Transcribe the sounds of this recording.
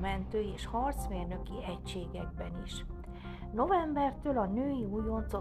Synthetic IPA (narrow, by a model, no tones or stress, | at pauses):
mɛnt̪øːeːʃhɒrt̪smeːrnø̞kiɛcʃeːɡɛɡ̚bɛniʃ | no̞vɛmbɛrt̪øːlɒnøːjiujont̪so